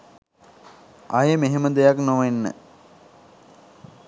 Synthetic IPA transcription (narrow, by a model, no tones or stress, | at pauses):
ajəmeɦeməd̪ejaknoʋenːə̰